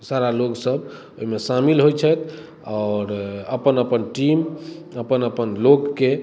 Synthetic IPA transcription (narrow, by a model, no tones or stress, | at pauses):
saɾaloɡsəb | oɦimesamilɦojt͡ʃʰət̪ʰ | ɔːɾəpənəpənʈiməpənəpənlokːe